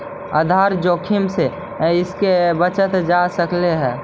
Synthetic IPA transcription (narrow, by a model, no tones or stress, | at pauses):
a̰ːd̪ʱaːɾd͡ʒoːkʰɪmse | ɪskebət͡ʃət̪d͡ʒasəkleɦɛː